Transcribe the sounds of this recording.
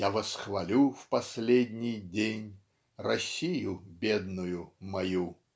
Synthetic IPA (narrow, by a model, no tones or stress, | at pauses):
javɐsxvɐlʲufpɐsʲlʲedʲnʲijdʲenʲ | rɐsʲːijʊbʲed̪nʊjʊmɐju